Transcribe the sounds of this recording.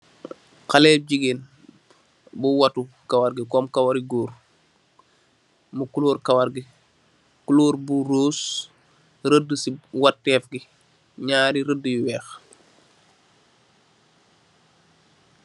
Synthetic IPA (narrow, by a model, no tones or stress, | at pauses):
kalɛːp̚ɟiɡen | buwatu | kawaɾɡikɔːmkawaɾiɡuːɾ | mukuluːɾkawaɾɡi | kuluːɾbuɾoːs | ɾədːəsiwatːɛːfɡi | ɲaːɾiɾədəjwɛːx